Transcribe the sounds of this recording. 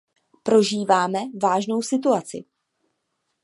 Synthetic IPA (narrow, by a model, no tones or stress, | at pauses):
pɾo̞ʒiːvaːmɛvaːʒno̞wsɪt̪̬uat͡sɪ̰